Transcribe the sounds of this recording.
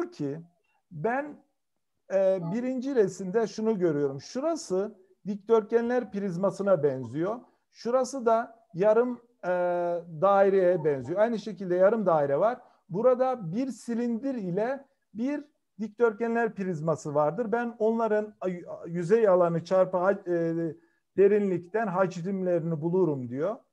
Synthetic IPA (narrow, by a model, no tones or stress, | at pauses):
uɾcʰi | bæn | ɛːbiɾind͡ʒiɾesind̪ɛʃunuɟø̞ɾyjo̞ɾumʃuɾasɯ | d̪ic̚t̪ʰøɾcʰænlʲæɾpiɾizmasɯnabɛnzijo̞ | ʃuɾasɯd̪a | jaɾɯmː | d̪aːiɾejɛbɛnzijo̞ajnɯʃe̞cilʲd̪ɛjaɾɯmd̪aːiɾɛvaɾ̥ | buɾad̪abiɾsilʲind̪iɾilʲɛ | biɾ | d̪ic̚t̪ʰøɾcænlʲæɾpiɾizmasɯvaɾd̪ɯɾbæno̞nlˠaɾɯnjyzɛjalˠanɯt͡ʃʰaɾpaɦa | d̪̥e̞ɾinlʲict̪ænɦat͡ʃid̪imlʲeɾinibulˠuɾumd̪ijo